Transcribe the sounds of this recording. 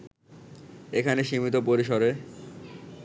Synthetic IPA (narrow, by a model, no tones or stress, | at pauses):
ekʰaneʃimit̪̬opoɾiʃɔɾe